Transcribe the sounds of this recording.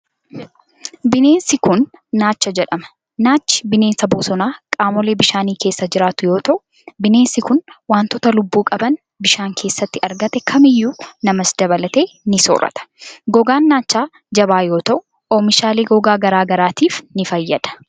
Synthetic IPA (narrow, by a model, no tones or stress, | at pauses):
bɪne̞ːnsɪkʊnːaːt͡ʃːɐd͡ʒɛᶑɐmɐ̥ | naːt͡ʃːɪ̥bɪne̞ːnsɐboːsɔnaːkʼaːmɔleːbɪʃaːniːkeːsːɐd͡ʒɪɾaːt̪ʊjo̞ːt̪ɐʔʊ | bɪne̞ːnsɪkʊnwaːnt̪ɔt̪ɐlʊbːuːkʼɐbɐn | bɪʃaːŋkʰe̞ːsːɐt̪ːɪɐɾɡɐt̪ɛkʰɐmɪjːuːnɐmɐsd̪ɐβɐlɐt̪e̞ːnɪso̰ɾʔɐ̰t̪ɐ̥ɡɔɡaːnːaːt͡ʃːaː | d͡ʒɐbaːjoːt̪ɐʔʊ | ʔoːmɪʃaːleːɡɔɡaːɡɐɾaːɡɐɾaːt̪iːfnɪfɐjːɐᶑ̪ɐ̥